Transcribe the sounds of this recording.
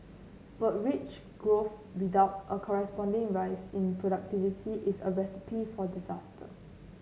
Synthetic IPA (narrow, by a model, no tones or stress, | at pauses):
b̥at̚ɹit͡ʃ | ɡ̥ɹofwidaʊtʔəkʰɔɹɛspɔ̃ndĩŋɹajsĩnpʰɹoɾak̚tivitʰiʔisə̰ɹɛsi̥pʰifɔdizastʰə̰